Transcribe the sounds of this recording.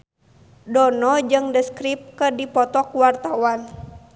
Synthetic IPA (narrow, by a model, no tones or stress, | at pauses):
dɔnɔd͡ʒɨŋdəskɾip̚kərdipɔt̪ɔkuwart̪awan